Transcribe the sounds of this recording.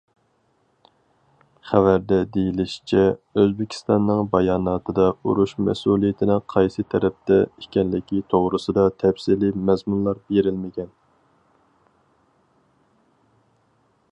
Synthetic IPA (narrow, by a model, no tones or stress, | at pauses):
χævæɾd̪ɛd̪ejilɪʃi̥t͡ʃʰɛøzbɪkʲʰi̥st̪ɑnːɨŋbɑjɑːnɑːt̪ʰɨd̪ɑṵɾuʃmɛ̰sulˠijɪt̪ʰɪnɪŋqʰɑjsɨt̪ʰɛɾɛp̚t̪ɛikʲɛnlɪkʲʰit̪ʰoʁɾɨsɨd̪ɑt̪ʰɛpsilimɛzmunlˠɑɾbeɾɪlmɪɡʲɛn